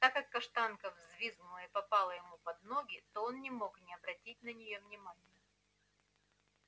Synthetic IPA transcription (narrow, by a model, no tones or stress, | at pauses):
t̪akːɐkːɐʂt̪ankəvzʲvʲiznʊlˠəɪpɐpalˠəjɪmupɐd̪̚no̞ɡʲɪt̪oonːʲɪmo̞knʲɪɐbɾɐtʲit̚ʲnənʲɪjo̞vnʲɪmanʲɪjə